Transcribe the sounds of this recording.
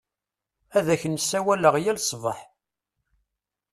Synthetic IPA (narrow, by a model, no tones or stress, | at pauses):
æðæçənsːæwæləʁjælsˤvəħ